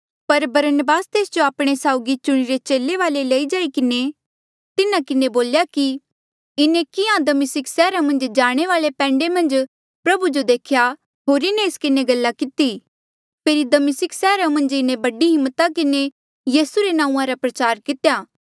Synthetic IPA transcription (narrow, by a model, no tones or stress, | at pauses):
pɐɾbɐɾənəbaːst̪eːsd͡ʒoaːpɽ̃esaːʊɡit͡ʃʊɽ̃iɾet͡ʃeːlːeʋaːleleːid͡ʒaːikɪne | t̪ɪnãkɪneboːljaki | ɪnẽkɪãd̪ɐmɪsɪksɛːɾamɐ̃nd͡ʒd͡ʒaːɽ̃eʋaːlepɛ̃ːɳɖemɐ̃nd͡ʒ | pɾɐbud͡ʒod̪eːkʰja | ɦoːɾɪneːskɪneɡɐlːakɪt̪i | pʰeːɾid̪ɐmɪsɪksɛːɾamɐ̃nd͡ʒɪnẽbɐɖiɦɪmːt̪akɪne | jiːsuɾenãːũːãɾapɾɐt͡ʃaːɾkɪt̪ejaː